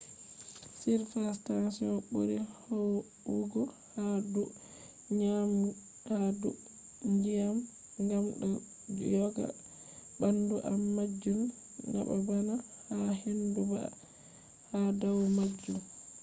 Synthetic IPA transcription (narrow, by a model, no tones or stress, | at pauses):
siɾfastansiɔnɓo̰ɾihɔw | uɡɔ | hadu | ɲam | ɗadu | ŋɡijam | ŋɡamɗɔ | d͡ʒjɔɡa̰ | banduʔamːad͡ʒːum | na̰ba̰banahaɦenduba̰ | hadawmad͡ʒːum